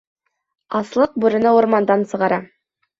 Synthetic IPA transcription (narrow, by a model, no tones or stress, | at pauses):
ɑslˠɤq̚buɾɘ̆nɑuɾmɑnd̪ɑnsɤ̆ʁɑɾɑ